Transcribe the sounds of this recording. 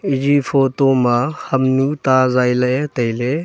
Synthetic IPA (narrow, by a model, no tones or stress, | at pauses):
id͡ʒipʰotomahɐmnut̪azajlɐet̪ɐjle